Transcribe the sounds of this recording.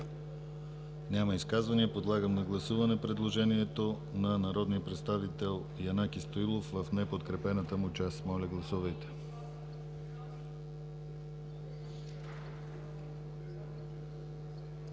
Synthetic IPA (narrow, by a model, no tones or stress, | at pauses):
nʲaməiskazvɐniəpod̪lˠaɡəmnɐɡlˠɐsuvɐnɛpɾɛd̪lˠoʒɛniɛt̪o | nɐnɐɾɔd̪nijəpɾɛt̪st̪avit̪ɛlˠ | jɐnakist̪oilˠofvəfnɛpot̪kɾɛpɛnət̪əmʊt͡ʃasmɔlʲəɡlˠɐsuvəjt̪ɛ̥